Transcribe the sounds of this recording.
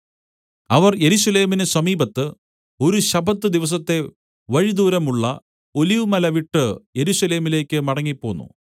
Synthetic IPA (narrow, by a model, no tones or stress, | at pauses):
ɐʋɐrje̞ɾuɕɐle̞ːminesɐmiːbɐt̪ːɨ | o̞ɾuɕɐbʱɐt̪ːɨd̪iʋɐs̬ɐt̪ːe̞ | ʋɐɻid̪uːɾɐmuɭːɐ | o̞liʋɨmɐlɐʋiʈːɨje̞ɾuɕɐle̞ːmile̞ːkʲːɨmɐɽɐŋːipːo̞ːnːṵ